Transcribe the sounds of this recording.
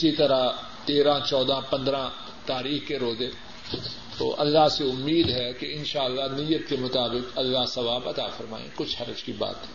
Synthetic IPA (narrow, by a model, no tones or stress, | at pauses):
ɪsit̪ɐɾa | t̪eːɾãt͡ʃɔːd̪ãpɐ̃nd̪ɾã | t̪aːɾiːxkeɾoːzẽː | t̪o̰ːʔɐlːaseʊmːiːd̪ɦɛkeɪnʃaːəlːanɪjət̪kemʊt̪aːbɪkɐlːasɐʋaːbɐt̪a̰ːfɐɾma̰ːḛ̃kʊt͡ʃʰhɐɾəd͡ʒkiba̰ːt̪ɦɛ